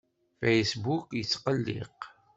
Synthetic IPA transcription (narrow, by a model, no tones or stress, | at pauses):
fejsbukjət͡sːqəlːḭq